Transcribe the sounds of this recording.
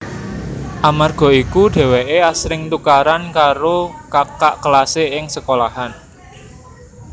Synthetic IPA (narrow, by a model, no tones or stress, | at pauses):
ʔamarɡ̥ɔ̤ikuɖ̥ɛ̤weʔeasɾɪŋt̪ukaɾankaɾokakaʔkəlaseɪŋsəkolahan